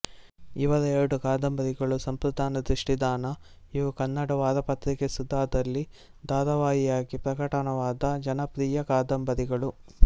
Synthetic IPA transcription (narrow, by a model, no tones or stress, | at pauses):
iʋɐɾɐɛɾɐɽukaːd̪ɐmbɐɾiɡɐɭusɐmpɾud̪ʱaːnɐd̪ɾiʂʈid̪aːnɐ | iʋɐkɐnːɐɽɐʋaːɾɐpɐt̪ɾikesud̪ʱːaːd̪ɐlːi | d̪aːɾɐʋaːjijaːɡipɾɐkɐʈɐnɐʋaːd̪ɐd͡ʒɐnɐpɾiːjɐkaːd̪ɐmbɐðiɡɐɭu